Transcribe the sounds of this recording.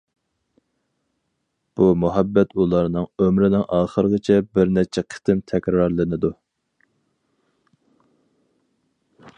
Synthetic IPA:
b̥umuɦɛbːɛt̪ulˠɑɾnɨŋømɾɪnɪŋʔɑːχəɾəʁət͡ʃʰɛbɪɾnɛt͡ʃʰɛqʰə̥t̪ɪmt̪ʰɛkʲɾɑɾlˠɪnɪd̪u

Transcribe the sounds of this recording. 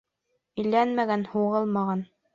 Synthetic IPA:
ɘ̆lːænmæɡænhuʁɤlˠmɑʁɑn

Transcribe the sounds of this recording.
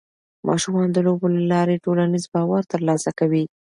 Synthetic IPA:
mʔɑ̰ʃumɑnd̪əlobolalɑɾeʈolanizbɑwaɾt̪əɾlɑsakawi

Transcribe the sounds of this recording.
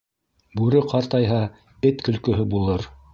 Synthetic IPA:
bʉɾɘqʰɑɾt̪ɑjɦɑ | ɘt̪kɵ̆lkɵ̆ɦɵbulˠɤɾ

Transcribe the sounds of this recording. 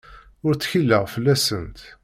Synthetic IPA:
ʊɾt͡sːçilːəʁfəlːæsənt̪

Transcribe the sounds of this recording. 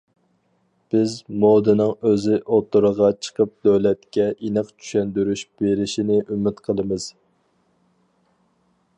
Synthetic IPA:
b̥ɪzmod̪ɨnɨŋøzɪʔot̪ʰːuɾəʁɑt͡ʃʰə̥qʰəp̚d̪ølɛt̪kʲɛʔinɨqt͡ʃʰy̥ʃɛnd̪yɾyʃb̥eɾɪʃinɪʔymɪt̪qʰəlˠəmɨz̥

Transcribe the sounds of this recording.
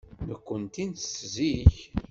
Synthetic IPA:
nəkʷːənt̪insziç

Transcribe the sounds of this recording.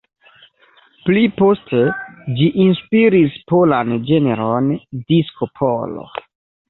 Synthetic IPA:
plipo̞sted͡ʒiʔinspiɾispoland͡ʒe̞neɾondiskopʰolo̰

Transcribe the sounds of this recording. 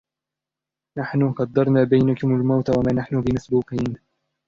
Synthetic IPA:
naħnʊqɑd̪ːɑɾˤnaːbajnakʊmalmawt̪awamaːnaħnʊbɪmasbuːqiːn

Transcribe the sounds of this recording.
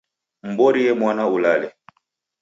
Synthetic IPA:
m̩bɔɾijɛmwanaulalɛ

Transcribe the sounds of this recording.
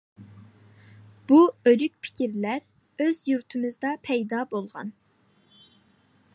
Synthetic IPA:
b̥uølykʲpʰi̥kʲʰiɾlæɾ | øzjuɾt̪ʰɨmɨzd̪ɑpʰɛjd̪ɑːbolˠʁɑ̰n

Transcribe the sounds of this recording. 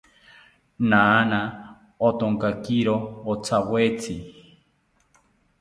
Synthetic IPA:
naːna | ot̪oŋkakiɾoot͡sʰawet͡sʰi

